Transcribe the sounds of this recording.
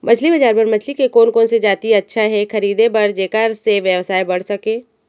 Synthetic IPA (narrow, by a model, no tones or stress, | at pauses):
mʔɐt͡ʃʰlibɐd͡ʒaːɾbɐɾmɐt͡ʃʰlikekoːnkoːnsed͡ʒaːt̪iɐtːʃʰaɦɛxɐɾiːd̪ebɐɾd͡ʒeːkaːɾseʋjəʋsaːjbɐɽ̤sɐkẽː